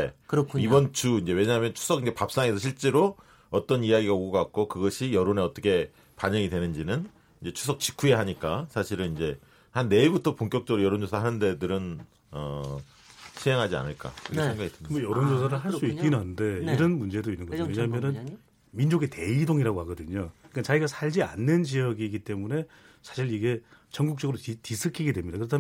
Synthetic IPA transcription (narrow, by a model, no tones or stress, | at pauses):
ekɯɾʌkʰibʌnt͡ɕʰuind͡ʑe̞we̞ɲaɦamjʌnt͡ɕʰu̥sʰʌɡind͡ʑe̞pap̚s͈aŋe̞sʰʌɕʰiɭt͡ɕ͈e̞ɾo | ʌt͈ʌnijaɡiɡaoɡʌɡak̚k͈okɯɡʌɕʰijʌɾoneʌt͈ʌkʰe̞ | paɲʌŋidwe̞nɯnd͡ʑinɯn | ind͡ʑe̞t͡ɕʰu̥sʰʌk̚t͡ɕi̥kʰujeɦaɲik͈asʰaɕʰiɾɯnind͡ʑe̞ | hanːe̞ibutʰʌpoŋk͈jʌk̚t͡ɕ͈ʌɡɯɾojʌɾond͡ʑosʰaɦanɯnde̞dɯɾɯn | ʌ | ɕʰieŋɦad͡ʑia̰nɯɭk͈a̰kɯɾɯkʰesʰeŋɡaɡidɯmbojʌɾond͡ʑos̬ʰaɾɯɭɦaɭs͈uikk͈inɦanɯnde̞iɾʌnmund͡ʑe̞doinːɯnŋɡʌd͡ʑojeɲaɦmjʌnɯn | mind͡ʑoɡe̞te̞idoŋiɾaɡohaɡʌdɯɲokat͡ɕaiɡasʰaʎd͡ʑia̰nːɯnd͡ʑijʌɡiɡit͈e̞mune̞ | sʰḁɕʰiɾiɡe̞t͡ɕʌŋɡuk̚t͡ɕ͈ʌɡɯɾotisʰɯkʰiɡe̞dwe̞mɲidakɯɾʌtʰam